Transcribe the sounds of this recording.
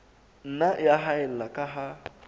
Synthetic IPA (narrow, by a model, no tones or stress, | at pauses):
n̩najaɦaɛl̩lakʼaɦa